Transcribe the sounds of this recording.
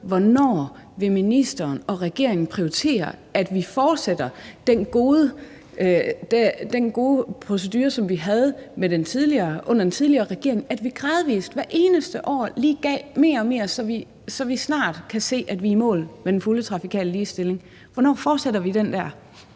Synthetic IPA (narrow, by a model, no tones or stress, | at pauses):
ʋɒnɒ̰ː | ʋe̝minisd̥ɐːnɒ̽ʁɛɡ̥e̝ɐeŋn̩pʰʁiot͡sʰe̝̰ːɐæd̥ʋifɒːd̥sed̥ɐd̥enɡ̥o̝ːðˠə | d̥ed̥enɡ̥o̝ːðˠəpʰʁo̝s̬ed̥yːɐsɒ̽mʋiɦæð̞ˠmed̥ent͡sʰið̞ˠliɐːʔɔ̽n̰ɐd̥ent͡sʰið̞ˠliɐːʁɛɡ̥e̝ɐe̝ŋæd̥ʋiɡ̥ʁɑːðˠʋḭːsd̥ʋæɐʔe̝ːnəsd̥əʔɒ̰ːliːɡ̥ɛ̰ːme̝̰ːɐɒ̽me̝ːɐsɒ̽ʋi | sɒ̽ʋisnɑ̰̈ːd̥kʰæse̝̰ːæd̥ʋiːmɔ̰̽ːlmed̥enfulət͡sʰʁɑ̈fikʰɛ̰ːləliːsd̥e̝le̝ŋ | ʋɒnɒ̰ːfɒːd̥seɾɐʋid̥end̥æɐ̰